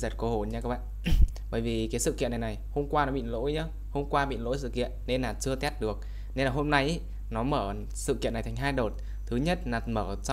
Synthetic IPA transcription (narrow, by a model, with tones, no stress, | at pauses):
zə˨˩t̚ko˨˦ho˧˩ɲaː˧kaː˦k̚ɓa̰ː˧˨ɓəː˧˩jvi˨˩kaː˨˦jsɨ̰˧˨kḭ˧˨ənːa˨˩jna˨˩jho˧mkwaː˧nɔ˨˦ɓḭ˧˨nlo̰˧˥jɲəː˨˦ | ho˧mkwaː˧ɓḭ˧˨nlo̰˧˥jsɨ̰˧˨kḭ˧˨ənːe˧nlaː˨˩t͡ɕɨ˧ət̪ɛ˦˥t̚ɗɨ˨˩ək̚ | ne˧nlaː˨˩ho˧mna˧jʔe˦ | nɔ˨˦məː˧˩ | sɨ̰˧˨kḭ˧˨nː˨˩t̪ʰŋɦaː˧jɗo˨˩t̚ | t̪ʰɨ˨˦ɲə˦˥t̚laː˨˩məː˧˩t͡ɕ